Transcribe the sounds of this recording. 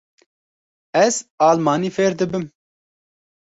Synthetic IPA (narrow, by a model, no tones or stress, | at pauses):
ɛzɑːlmɑːniːfeːɾd̪ɨbɨm